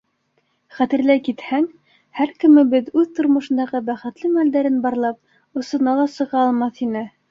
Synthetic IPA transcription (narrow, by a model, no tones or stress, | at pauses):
χæt̪ɘ̆ɾlæjkit̪hæŋ | hæɾkɘ̆mɘbɘðʉðt̪ŏɾmŏʃɤ̆nd̪ɑʁɤbæχɘ̆t̪lɘmæld̪æɾɘnbɑɾlˠɑp̚ | ŏsɤ̆nɑlˠɑsɤ̆ʁɑːlˠmɑθinɘ